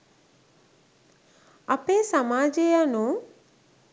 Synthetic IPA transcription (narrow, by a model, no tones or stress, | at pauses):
ɐpeːsamaːd͡ʒeanu